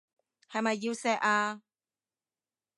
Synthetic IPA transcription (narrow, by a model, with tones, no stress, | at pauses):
ha˧˨ma˧˨jji˧wsɛ˧ʔa˧